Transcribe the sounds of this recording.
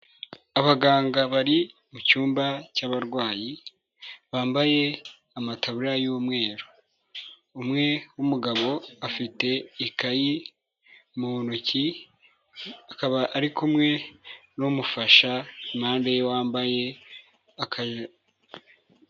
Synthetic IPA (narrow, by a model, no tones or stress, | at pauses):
aβaɡaːŋɡaβaɾi | mucuːmbacaːβaɾɡwaːji | βaːmbaje̞ | amataβuɾajuːmŋe̞ːɾo | umŋe̞wumuɡaβo̞afite̞ikaji | munuci | akaβaːɾikumŋe̞numufaʃaimaːndejwaːmbaje̞ | akʰa